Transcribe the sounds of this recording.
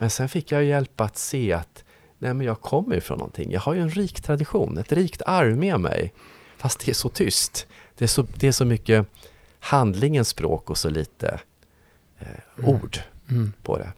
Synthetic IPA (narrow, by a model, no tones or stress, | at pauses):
mɛnsɛnfɪkːjajɵjɛlpaat̪seːat̪ | nʔɛːmɛnjɑːɡ̚kʰɔmːəj̰fɾɔ̰nːɔ̰nt̪ʰɪ̰ŋːjʔɑ̰ːɡhajɵɛnɾiːkt̪ʰɾad̪ɪɧuːnɛt̪ɾiːkt̪ʰaɾvmemɛ̰j | fast̪̚d̪̥ɛæʂɔt̪ʰʏst̪d̪̥ɛæʂɔd̪ɛæʂɔmʏkːə | hand̪lɪŋənspɾo̰ːkɔsɔlḭːt̪ə̰ | uːɖpʰɔ̰d̪ɛ̰